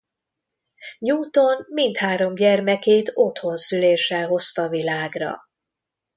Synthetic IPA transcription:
ɲuːt̪o̞nmint̪haːɾo̞mɟɛrmɛkeːt̪o̞t̪ho̞nsyleːʃːɛlɦo̞st̪ɒvilaːɡrɒ̰

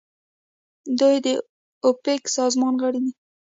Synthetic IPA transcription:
d̪ujd̪ə | opeksɑzmɑnɣəɽid̪i

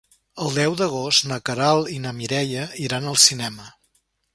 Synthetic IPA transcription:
əlˠd̪ɛwd̪əɣ̞ost̪nəkəɾalˠinəmiɾɛʎəiɾanəlˠsinɛmə

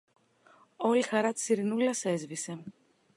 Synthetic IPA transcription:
ɔlʲixaɾat̪siɾinulasɛzvisɛm

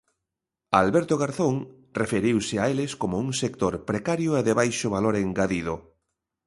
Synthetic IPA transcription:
alβɛɾt̪oɣaɾθoŋ | refeɾiwsɪaelɪskomouŋsekt̪oɾpɾekaɾjʊeðeβajʃʊβaloɾeŋɡaðiðʊ

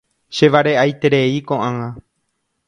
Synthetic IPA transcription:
ʃe̞ʋaɾeʔajt̪e̞ɾe̞ikõʔãŋã

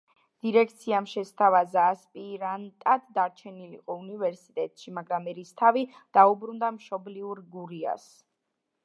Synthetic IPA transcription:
d̪̥iɾɛkʰt̪sʰiamʃɛst̪ʰavazaːspʼiɾant̪ʼad̪d̪aɾt͡ʃʰɛnilḭqʼɔunivɛɾsit̪ʼɛt̪ʼʃimaɡɾamɛɾist̪ʰavid̪̥aubɾund̪amʃɔbliuɾɡuɾia̰s

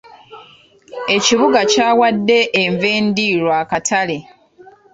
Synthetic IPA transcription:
e̞ciβuɡacaːwadːe̞ʔːɱve̞ːndiːɾwaːkatʰale

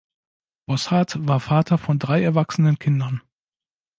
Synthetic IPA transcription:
b̥ɔshatv̥aːɐfaːtʰɐfɔndʁaɪɛɐvaksənənkʰɪndɐn

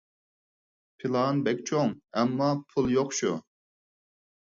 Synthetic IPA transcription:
pʰɪlˠɑnbɛkʲt͡ʃʰoŋɛmːɑpʰulˠjoqʃu

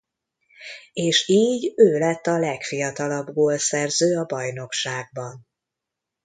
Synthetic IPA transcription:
eːʃiːɟøːlɛt̪ːɒlɛkfijɒt̪ɒlɒbɡoːlsɛrzøːɒbɒjno̞kʃaːɡ̚bɒn

